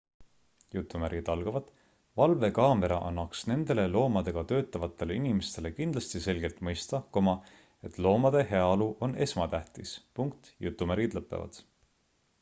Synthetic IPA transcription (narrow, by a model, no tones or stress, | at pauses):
jut̪ːˑumæɾid̪̥ɑlɡ̥ɑvɑd̪̥ | vɑlve̞kɑːme̞ɾɑʔɑnːɑksne̞nd̪e̞le̞lo̞ːmɑd̪e̞ɡ̥ɑt̪ø̞ːt̪ːˑɑvɑt̪ːˑe̞le̞inimest̪e̞le̞kind̪lɑst̪ise̞lɡ̥e̞lt̪ˑmɤjst̪ɑko̞mɑ | e̞t̪ˑlo̞ːmɑd̪̥e̞he̞ɑoluʔo̞ne̞smɑt̪æht̪ispuŋkt̪jut̪ːˑumæɾɡid̪̥lɤpːˑe̞̰vɑ̰d̪̥